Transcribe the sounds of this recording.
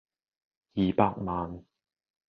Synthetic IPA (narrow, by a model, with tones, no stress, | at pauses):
jiː˨paː˧k̚maː˨n